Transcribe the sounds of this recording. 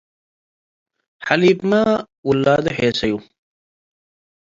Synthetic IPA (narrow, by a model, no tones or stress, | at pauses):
ħɐliːpma | ulːaːd̪eheːsɐju